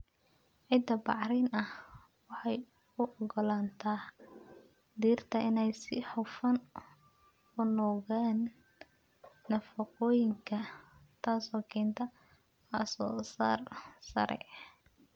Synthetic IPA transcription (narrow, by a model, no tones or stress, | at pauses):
ʕɪd̪ɐbɑ̰ʕɾɛnɐh | wɑħɑj | ʊʔɔɡɔlaːnt̪ʰaː | d̪iːrt̪ʰɐʔɪnɛjsɪħʊfɐn | ʊnɔːɣaːn | ɐfɐqɔːjɪŋkʰɐt̪ʰaːsɔːkʰɛːnt̪ʰɐ | ɐsɔːsa̰ːrsɐ̰ɾʔɛ̰